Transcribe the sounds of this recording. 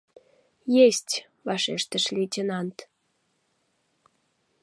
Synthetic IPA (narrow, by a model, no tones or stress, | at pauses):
jesʲtʲ | βɑʃeʃt̪ə̆ʃlit͡ɕənɑnt̪